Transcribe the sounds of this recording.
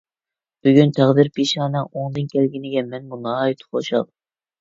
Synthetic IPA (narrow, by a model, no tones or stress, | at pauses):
b̥yɡʲynt̪ʰæʁd̪ɪɾpiʃɑːnɑʔoŋd̪ɨnkʲʰɛlɡʲinɪɡʲɛmɛnmunɑːjit̪ʰχo̰ʃɑ̰l